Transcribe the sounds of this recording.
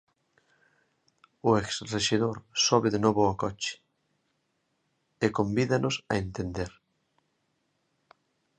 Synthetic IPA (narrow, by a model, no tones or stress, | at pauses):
oeksreʃeðoɾsoβeðenoβoakot͡ʃe̥ | ekõmbiðanʔosa̰ẽnt̪end̪eɾ